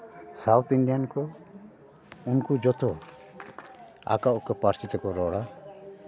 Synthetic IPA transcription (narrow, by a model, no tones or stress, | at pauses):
sawt̪ʰiɳɖijankɔ | unkud͡ʒɔt̪ʰɔ | a̰kaʔɔkɛpaɾsit̪ɛkɔɾɔɽa